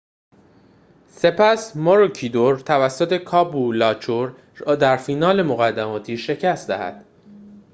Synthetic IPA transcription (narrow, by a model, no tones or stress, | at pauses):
se̞pʰæsmoɾocʰiːd̪oɾt̪ʰævæsːot̪ʰe̞kʰɒːbulɒːt͡ʃʰoɾ | d̪æɾfiːnɒːle̞moɣæd̪ːæmɒːt̪ʰiːʃe̞cʰæst̪d̪æ̰hæ̰d̪̥